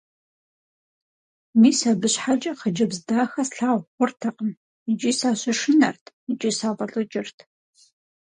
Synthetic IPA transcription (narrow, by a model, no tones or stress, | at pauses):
miːsabɨɕħad͡ʒʼɐqəd͡ʒɐbzdaːxɐsɬaːwχʷʊrtʰɐqəm | id͡ʒʼiːsaːɕɐʂɪnɐ̰rtʰ | it͡ʃʼisaːʁɐɬʼɨt͡ʃʼɪrtʰ